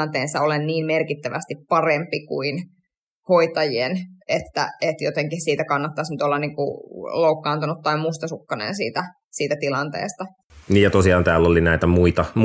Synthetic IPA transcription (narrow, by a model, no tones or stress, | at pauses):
nt̪eːnsɑolenniːmmerkit̪ːæʋæst̪ippɑrempikṵin | hoit̪ɑjienet̪ːæ̰et̪jot̪eŋkihsiːt̪ækɑnːɑt̪ːɑsnyt̪olːɑnniːŋkṵloukːɑːnt̪unut̪ːɑimust̪ɑsukːɑnḛnsḭːt̪æ | siːt̪æt̪ilɑnt̪ḛːst̪ɑ | niːjjɑt̪osiɑːnt̪æːlːolinæit̪æmuit̪ɑm